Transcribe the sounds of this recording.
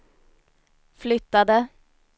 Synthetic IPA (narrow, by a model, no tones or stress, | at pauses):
flʏt̪ːad̪ə